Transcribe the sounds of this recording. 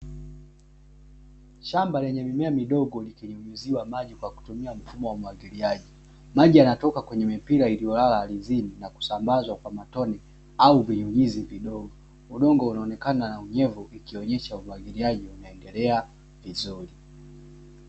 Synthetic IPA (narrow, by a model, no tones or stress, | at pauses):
ʃambalɛɲɛmimɛamiɗɔɡɔlikiɲuɲuziwamaʄikwaku̥tumiam̩fumɔwamuwaɡiliaʄi | maʄianatɔkakwɛɲɛmimpiɾailijɔlalaːlizininaku̥sambazwakwamatɔnɛ | auviɲuɲiziviɗɔɡɔ | uɗɔŋɡɔunaɔnɛkananauɲɛvuikiɔɲɛʃaumwaɡiliaʄiunaɛndɛlɛa | vizuli